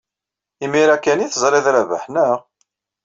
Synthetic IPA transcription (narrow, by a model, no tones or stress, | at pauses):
imiɾækːæniθəzˤɾiðɾævə̰ħnəʁ